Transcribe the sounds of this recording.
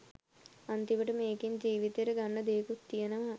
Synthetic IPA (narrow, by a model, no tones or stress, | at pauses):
ant̪iʋəʈəmeːkiɲd͡ʒiːʋit̪eɾəɡaɳːɐd̪eːkut̪ːijenəʋa